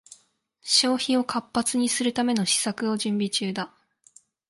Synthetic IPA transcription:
ɕo̞ːçĩo̞kʰapːat͡sɨɲ̟isɨɾɯ̟t̪ame̞no̞ɕi̥sakɯ̟o̞ʑɨ̃mbʲit͡ɕɨːd̪a

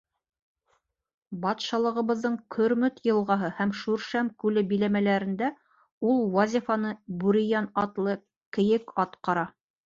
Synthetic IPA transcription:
bɑt̪ʃɑlˠɤ̆ʁɤ̆βɤ̆ðːɤɴkʰɵ̆ɾmɵt̪jɤ̆lˠʁɑɦɤhæmʃʉɾʃæmkʉlɘbilæmælæɾɘ̆nd̪æ | ulˠwɑzʲifɑnɤbʉɾĭjænɑt̪lˠɤ | kɘ̆jɘkɑt̪qɑɾɑ

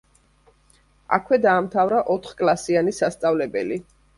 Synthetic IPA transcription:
a̰kʰwɛd̪aːmt̪ʰavɾaʔɔt̪ʰχkʼlˠasianisast̪sʼavlɛbɛ̰li

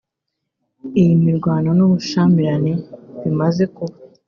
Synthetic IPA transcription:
ijimiɾɡwaːnonuβuʃaːmiɾane̞βimaze̞kuβa

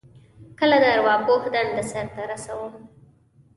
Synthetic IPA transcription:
kəlad̪aɾwɑpohd̪and̪əsaɾt̪aɾasawəm

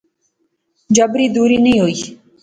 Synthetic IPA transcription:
d͡ʒəbɾiːd̪uːɾiːnəĩːɦoːiː

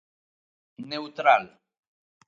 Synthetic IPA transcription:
newt̪ɾal

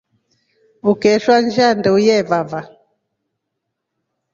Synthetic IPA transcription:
ukɛʃwand͡ʒandɛujɛvava

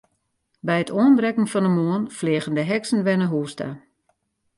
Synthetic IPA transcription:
bɛjətʰoənbrɛkəŋ̩fɔndəmoənflɪːɣəndəɦɛksən̩ʋɛnəɦuːstə̰

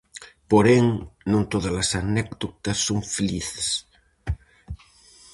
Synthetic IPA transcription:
poɾeŋnõnt̪oðɐlasanɛkd̪ot̪ɐsːoŋfeliθes

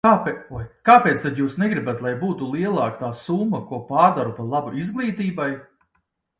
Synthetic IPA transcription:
aajkaːpeːt̪st̪ad̪juːsnɛɡɾibat̪lˠajbuːt̪ulˠiɛlˠɑːk̚t̪aːsumːɐkuɔpaːɾd̪aɾupalˠabuʔizɡlˠiːt̪iːbaj

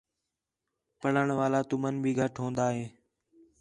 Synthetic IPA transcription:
pəɽəɳʋaːlaːt̪ʊmənbʱiːɡʱəʈʰɦõːnd̪aːɦeː

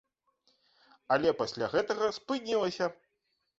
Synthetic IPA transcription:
ɐlʲɛpasʲlʲaɣɛt̪ɐɣɐspɨnʲilˠɐsʲɐ

